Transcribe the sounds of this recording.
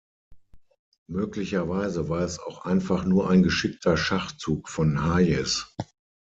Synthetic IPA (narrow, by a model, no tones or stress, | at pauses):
møːklɪçɐvaɪzəvaːɐɛsaʊxʔa̰ɪnfaχnuːɐʔaɪnɡəʃɪk̚tʰɐʃaχt͡suːkfɔnhaːjɛs